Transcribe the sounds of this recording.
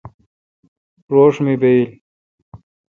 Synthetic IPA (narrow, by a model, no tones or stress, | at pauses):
ɾoːʂmibeil